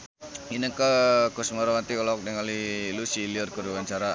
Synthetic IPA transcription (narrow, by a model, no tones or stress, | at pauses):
inəkakusmaɾawant̪ikalɔk̚dəŋalilusiliərkuɾuwaɲt͡ʃaɾa